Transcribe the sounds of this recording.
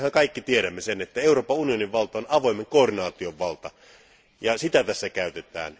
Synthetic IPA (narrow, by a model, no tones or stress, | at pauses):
hæŋkɑˑikːit̪ieɾæmːesenet̪ːæeuroːpɑunioniʋʋɑlt̪ɑonɑʋoˑimeŋkoːrdinɑːt̪ioʋʋɑlt̪ɑ | jɑsit̪æt̪æsːækæˑyt̪et̪ˑæ̰ːn